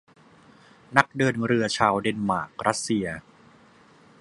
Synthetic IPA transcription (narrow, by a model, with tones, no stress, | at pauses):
na˦˥k̚dɤː˧nɾɯ˧ɐt͡ɕʰaː˧wde˧nma̰ː˨˩k̚ɾa˦˥t̪̚si˧ɐ